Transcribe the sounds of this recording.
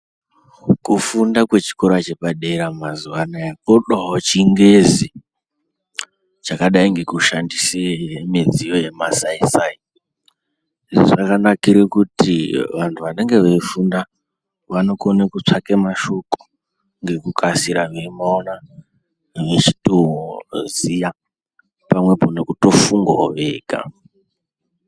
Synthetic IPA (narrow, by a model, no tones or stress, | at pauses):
kufundakwe̞t͡ʃi̥ko̞ɾat͡ʃe̞paɗeɾamazuʋanajakoɗaɦot͡ʃiŋɡezi | t͡ʃakaɗaiŋɡe̞kuʃandiseemid͡zijo̞je̞masaisaːi | iʐoʐakanakiɾekutiʋantʰuʋaneŋɡe̞ʋeifunda | ʋanokonekut͡ʂakemaʃoku̥ | ŋɡe̞kukʰasiɾaʋiimaona | ʋet͡ʃi̥tozija | pamwe̞ponokutofuŋɡoʋeɡa̰